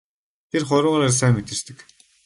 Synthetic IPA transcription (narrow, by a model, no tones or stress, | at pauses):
t̪ʰerχʊɾʊːʁaɾaːrs̬æːmet̪ɘ̆rt̪ɘ̆k